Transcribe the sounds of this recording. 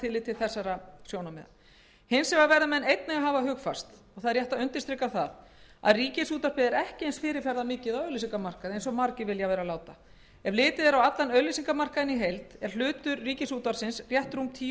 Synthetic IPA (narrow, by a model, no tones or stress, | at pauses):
t̪ʰɪlɪt̪ʰːɪlθɛsːaɾasjownamɛ̰ða̰ | hɪnsɛmavɛɾðamɛnejt̪nɛɣaɦaːvaɦʏːɣfa̰st̪ | ɔɣθaðɾjɛht̪aʏnt̪ɪ̥st̪ɾɪkawθa̰ða̰ðriːcɪsuːt̪aspɪːðɪɾɛhcɪejnsfɪːɾɪɾfɛɾðamɪːcɪðawœɥlɪs̬iŋkamar̥kaðɪejnsɔɣmaɾcɪvɪljavɛːɾalaːwt̪a | ɛvlɪːt̪ɪðɛɾawat̪lanœɥlɪsiŋkamar̥kaðɪniɦejlt̪ɛɾ̥l̥ʏːt̪ʏɾriːcɪsuːt̪aɾ̥sɪnsrjɛht̪ɾumt̪ʰiː